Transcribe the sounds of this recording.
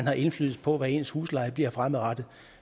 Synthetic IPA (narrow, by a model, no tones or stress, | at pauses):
nhɑ̈ʔe̝nflyːð̩ˠpʰɒ̽ʋæe̝̰nshuːslɑ̈ɪb̥liɐ̰fʁamðˠʁad̥ð̩ˠ